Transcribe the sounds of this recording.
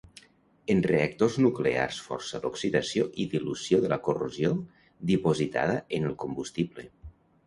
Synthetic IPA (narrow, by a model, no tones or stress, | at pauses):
enreak̚t̪oznuklea̰rsfɔ̰rsəloksiðəsjoʔiðiluz̥joðəlakorṵzjo | d̪ipozit̪a̰ð̞əenelˠkumbust̪iβlḛ